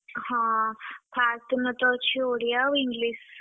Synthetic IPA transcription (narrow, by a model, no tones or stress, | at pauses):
hãpʰaːɾt̪ənət̪ɔt͡ɕʰioɽijaʋiŋɡlis